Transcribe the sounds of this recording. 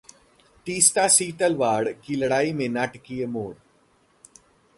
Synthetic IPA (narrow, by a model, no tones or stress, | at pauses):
ʈiːsʈ̪asiːʈəlʋaːɽkilɐɽaːimẽnɐʈkijemoːɽ